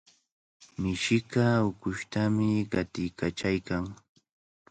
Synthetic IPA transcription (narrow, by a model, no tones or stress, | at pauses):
mɪʃɪkaʊkʊʃt̪amɪɢɑt̪ɪjkat͡ʃajkaŋ